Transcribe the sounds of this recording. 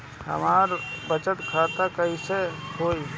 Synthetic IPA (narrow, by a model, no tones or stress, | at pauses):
hə̰maɾbət͡ʃət̪kʰat̪akəisehoj